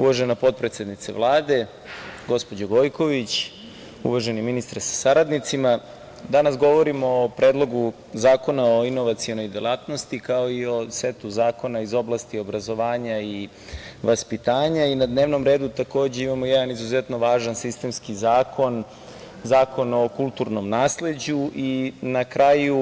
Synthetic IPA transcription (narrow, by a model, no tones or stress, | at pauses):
ṵʋaʒenapo̞t̪̚pɾet̪sʲed̪nit̪sḛʋlˠaːd̪e̞ | ɡo̞spo̞d͡ʑoɡojko̞ʋit͡ɕ | ṵʋaʒeniminist̪ɾsḁsaɾad̪nit̪sima | d̪anasɡo̞ʋo̞ɾimoːpɾe̞ːd̪lˠo̞ɡu | zaːko̞naoino̞ʋat̪siono̞jd̪elˠaːt̪nost̪ikaoio̞set̪uzaːko̞naizo̞blˠast̪io̞bɾazo̞ʋaːɲai | ʋaspit̪aːɲainad̪ne̞ːʋno̞mɾeːd̪ut̪ako̞ːd͡ʑeimamo̞jɛd̪anizuzet̪no̞ʋaːʒansist̪e̞mskizaːkʰo̞n | zaːko̞no̞kulˠt̪uɾno̞mnaːsle̞d͡ʑuʔinakɾaju